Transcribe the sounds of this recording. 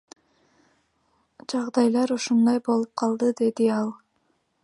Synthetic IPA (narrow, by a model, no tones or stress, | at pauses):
d͡ʒɑʁd̪ɑjlˠɑɾuʃund̪ɑjbo̞lˠup̚qʰɑlˠd̪ɯd̪e̞d̪iɑlˠ